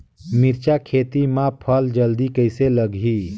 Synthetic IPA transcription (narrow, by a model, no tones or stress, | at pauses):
miɾt͡ʃakʰet̪imãpʰəld͡ʒəld̪ikəjseləɡʱi